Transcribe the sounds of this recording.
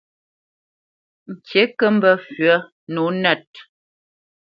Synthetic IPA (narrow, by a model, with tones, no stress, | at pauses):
ŋ̩˨kʰje˨˦kə˦m̩˦bə˦fɥə˦ | nu˨˦nɛ˦˨t̚